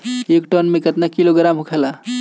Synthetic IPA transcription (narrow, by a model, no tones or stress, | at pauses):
ekʈɔnmẽkət̪nakiloɡɾamɦukʰɛla